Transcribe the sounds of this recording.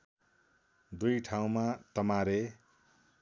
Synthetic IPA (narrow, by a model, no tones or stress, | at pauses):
d̪ujʈʰaw̃mat̪ʌmaɾe